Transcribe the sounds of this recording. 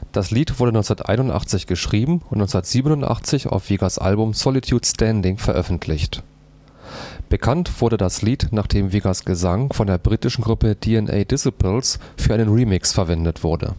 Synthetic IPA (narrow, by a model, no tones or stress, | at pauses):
d̥asliːtv̥ʊɐdənɔnsnɐtʔa̰ɪnʊntʔa̰χt͡sɪçɡ̥əʃʁ̥iːbm̩ʊntnɔt͡ssndɐtz̥iːbənʊntʔa̰χt͡sɪça̰ʊfv̥iːɡasʔa̰lbʊmsɔlɪtʰjuːtstʰɛndɪŋfɛɐʔœfn̩tʰlɪçt | b̥əkʰantv̥ʊɐɾədasliːtnaːχd̥eːmviːɡasɡ̥əzaŋfɔndeːɐbʁiːtɪʃn̩ɡʁʊpəd̥iɛnʔɛ̰ːdɪsɪplsfyːɐʔaɪnənʁiːmɪksfɛɐvɛndətv̥ʊɐdə̰